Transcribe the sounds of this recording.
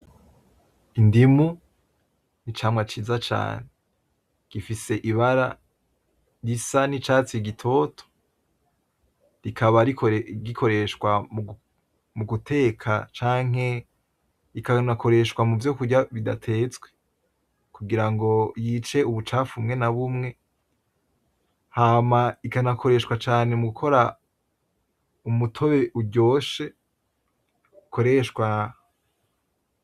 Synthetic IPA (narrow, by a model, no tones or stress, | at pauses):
indimu | nit͡ʃaːmwat͡ʃiːzat͡ʃa̰ːne | ɡ̥ifise̞ʔiβaɾa̰ | jisanit͡ʃaːt͡siɡitʰo̞ːtʰo̥ | ɾikʰaβaɾikɡikʰo̞ɾe̞ʃwa | muɡutʰe̞ːkʰat͡ʃaːŋ̥he̞ | ikanakʰo̞ɾe̞ʃwamuvjokuɟaβida̰tʰe̞ːt͡sɡwe | kuɡiɾaŋɡo̞jiːt͡ʃe̞uβut͡ʃaːfumŋe̞naβumŋe̞ | haːmaikanakʰo̞ɾe̞ʃkwat͡ʃaːne̞muɡukʰo̞ɾa | umutʰo̞βe̞ʔuɟo̞ːʃe | kʰo̞ɾe̞ʃkwa